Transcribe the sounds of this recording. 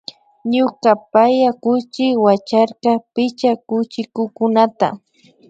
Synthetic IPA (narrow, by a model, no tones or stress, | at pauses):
ɲʊkapajakʊt͡ʃɪwat͡ʃaɾkɑpɪt͡ʃakʊt͡ʃɪkʊkʊnat̪a̰